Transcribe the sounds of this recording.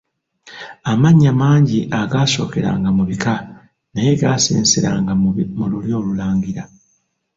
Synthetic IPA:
amaɲːamaːɲɟiʔaɡaːso̞̰ːke̞ɾa̰ːŋɡamuβika | naje̞ɡaːsḭːnsiɾa̰ːŋɡamululjo̞ːlulaːɲɡiɾa

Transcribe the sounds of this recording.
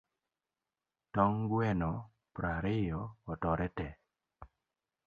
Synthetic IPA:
tɔŋɡwɛnɔ | pɾaɾɪjɔːtɔɾɛtɛ

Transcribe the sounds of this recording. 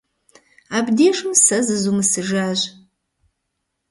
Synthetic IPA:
aːbdeːʂɨmsɐzɨzumɨsɨʒaːʑ

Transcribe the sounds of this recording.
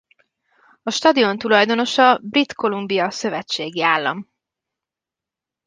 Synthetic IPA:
ɒʃt̪ɒd̪io̞nt̪ulɒjd̪o̞no̞ʃɒbrit̪ko̞lumbijɒsø̞vɛt͡ʃːeːɡiaːlːɒ̰m

